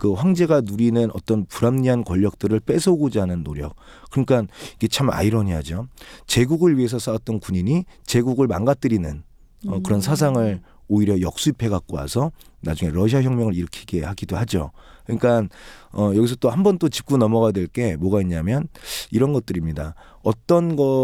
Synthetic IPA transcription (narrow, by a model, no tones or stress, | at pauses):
kɯɸwaŋd͡ʑe̞ɡanuɾinɯnʌ̰t͈ʌnpuɾamɲiɦankʌʎːʌk̚t͈ɯɾɯɭp͈e̞sʰɯoɡod͡ʑanɯnːoɾjʌk̚ | k͈ːɯɯɲik͈aniɡe̞t͡ɕʰama̰iɾʌɲiɦad͡ʑot͡ɕe̞ɡuɡɯɭɥie̞s̬ʰʌs͈ʰawat̚t͈ʌnkuɲiɲit͡ɕe̞ɡuɡɯɭma̰nɡat͈ɯɾinɯn | ʌkɯɾʌnsʰas̬ʰaŋɯɭ | oiɾjʌjʌk̚s͈uipʰe̞ɡak̚k͈oa̰sʰʌna̰d͡ʑuŋe̞ɾʌɕʰiaçjʌŋmjʌŋɯɭiɾɯkʰiɡe̞haɡidohad͡ʑo̰kɯɲik͈anʌjʌɡis̬ʰʌt͈ohambʌnt͈ot͡ɕi̥p̚k͈unʌmʌɣadwe̞ɭk͈e̞mwʌɡaiɲamjʌniɾʌnɡʌt͈̚ɯɾimɲida | ʌt͈ʌnɡʌ